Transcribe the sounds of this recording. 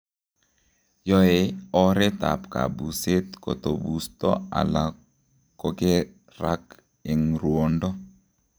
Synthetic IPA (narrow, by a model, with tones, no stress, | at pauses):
jɔ˦e˨ɔ˦ɾɛ˦t̪a̰˨pka̰˨bu˨se˦t̪ko̰˨t̪o˨bu˨st̪ɔ̰˦a̰˨la˨ | ko˦ke˦ | ɾa˦k | e˨ŋɾwo˨ndɔ˦